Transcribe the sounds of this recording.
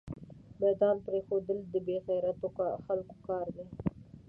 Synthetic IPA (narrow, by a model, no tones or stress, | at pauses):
mɛd̪ɑnpɾexod̪əld̪əbeɣajɾat̪oxalko̥kɑɾd̪e